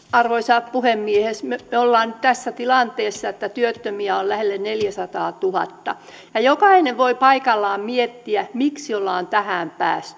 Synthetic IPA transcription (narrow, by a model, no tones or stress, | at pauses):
ɑrʋoisɑpuhemːiehesmemeolːɑːnytt̪æsːæt̪ilɑnt̪eːsːɑet̪ːæt̪yøt̪ːømiæollæhelːenneljæsɑt̪ɑːt̪uhɑ̰t̪ːɑ̰ | jɑjokɑineʋʋoipɑikɑlːɑːmmiet̪ːiæmiksiolːɑːnt̪æhæmpæ̰ːst̪y̥